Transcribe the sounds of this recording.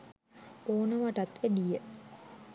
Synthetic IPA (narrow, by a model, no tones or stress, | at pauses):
poːnəʋaʈat̪ʋedijə